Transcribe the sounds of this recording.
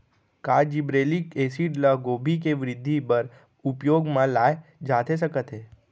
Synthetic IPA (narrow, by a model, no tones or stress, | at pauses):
kaːd͡ʒibɾelikesiɖləɡobʱik̬eʋɾɪd̪ʱːipəɾ | upjoːɡmãlaːjd͡ʒaːt̪ʰes̬əkət̪ɦe